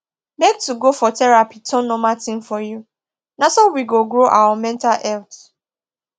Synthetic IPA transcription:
mek̚tuɡofɔtɛɹapitʰɔ̃nɔmatĩnfɔju | nasowiɡoɡɹoʔa̰wamɛ̃ntalɛlt

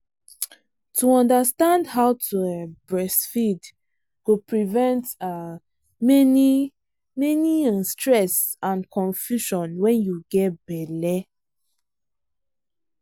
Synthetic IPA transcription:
tʰuɔ̃ndastãndhaʊtʰuɛbɹɛsfid | ɡ̥opɹivɛ̃nta | mɛni | mɛniastɹɛsãnkʰɔ̃nfjuʃɔ̃nwɛ̃njuɡɛt̚bɛlɛ

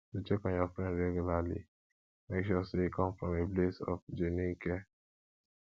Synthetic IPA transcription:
tit͡ʃekɔ̃njɔfɾɛ̃ndɾɛɡulalḭ | mekʃɔseikʰɔ̃mfɾɔmeblesɔ̰fd͡ʒeniŋ̩kɛ

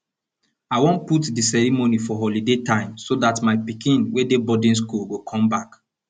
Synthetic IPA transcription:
aɪwõnputdisɛɹimonifɔɦɔlidetãɪ̃msodatmaɪpikĩnwedebɔdĩns̬kulɡokʰɔ̃mbak

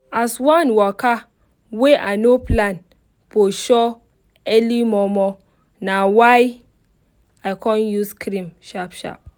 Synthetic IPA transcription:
aswãnwɔka | weʔanoplãn | foʃɔ | ɛlimɔmɔ | nawaj | aɪkʰɔ̃njuskʰɾĩmʃapʃa̰p̚

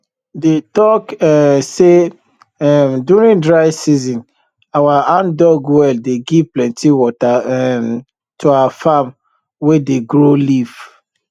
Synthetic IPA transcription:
detɔkɛse | ɛmdjuɾĩndɹaɪsizĩn | awaãndɔɡwɛldeɡivplɛ̃ntʰiwɔtaɛm | tʰuawafam | wedeɡɹoliv

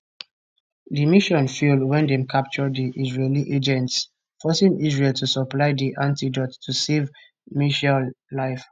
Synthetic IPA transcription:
dimiʃɔ̃nfjulwɛ̃ndɛ̃mkʰap̚t͡ʃɔdiʔizɹeliʔed͡ʒɛ̃nts | fɔsĩŋizɹeltʰusɔplaɪdiʔãntidɔtʰːusev | miʃallaɪf

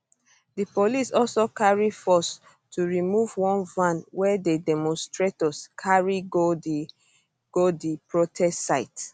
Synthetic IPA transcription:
dipolisɔlsokaɹifɔs | tʰuɹimuvwɔ̃nvãnwɛdedɛmɔ̃nstɹetɔskʰaɹiɡo | ɡ̥odipɹotʰɛstːaɪt

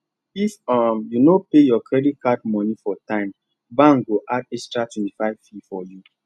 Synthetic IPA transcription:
ifɔmjunopejɔkɹɛdit̚kadmɔnifɔtãɪ̃m | bãŋɡoʔadɛstɹatwɛ̃ntifaɪv̥fifɔju

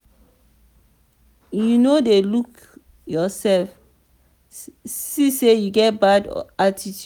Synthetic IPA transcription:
junodeluk | jɔsɛlf | sisejuɡɛt̚bad̰atitʰ

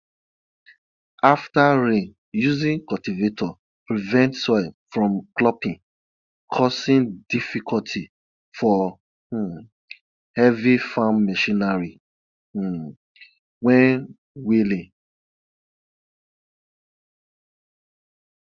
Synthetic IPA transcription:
aftaɹĩn | juzĩŋkɔtivetʰɔ | pɹivɛ̃ntsɔɪlfɹɔ̃mklɔpĩn | kʰɔsĩndifikʰɔltʰi | fɔ | hɛvifãnmɛʃĩnaɹi | wɛ̃n | wilĩn

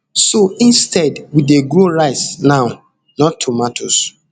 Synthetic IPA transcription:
soĩnstʰɛdwideɡɾoɹaɪsnaʊ | nɔtʰːumatʰos

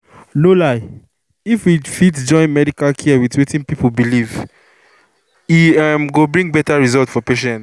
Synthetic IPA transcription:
lolaɪ | ifwifitd͡ʒɔ̃ɪ̃nmɛdikalkʰiəwiðwetĩnpipolbiliv | iamɡobɹĩŋɡ̚bɛtaɹizɔltfɔpeʃɛ̃nt

